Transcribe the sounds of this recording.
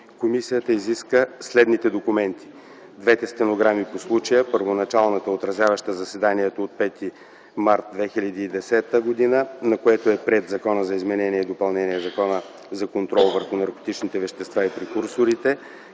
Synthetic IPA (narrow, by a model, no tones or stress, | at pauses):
komisijət̪əiziskəslɛd̪nit̪ɛd̪okumɛnt̪ʰi̥ | d̪vɛt̪ɛst̪ɛnoɡɾamiposlˠut͡ʃəjəpəɾvonɐt͡ʃalˠnət̪əot̪ɾɐzʲlʲavəʃt̪əzɐsɛd̪aniɛt̪oːt̪̚pɛt̪i | maɾt̪̚d̪vɛxilʲɐd̪iːd̪ɛsɛt̪əɡod̪inənɐkoɛt̪oɛpɾɛd̪zɐkɔnəzɐizmɛnɛniɛid̪opɐlˠnɛniɛzɐkɔnə | zɐkont̪ɾɔlˠvəɾxʊnɐɾko̥t̪it͡ʃnit̪ɛvɛʃt̪ɛst̪vaipɾɛkuɾsoɾit̪ɛ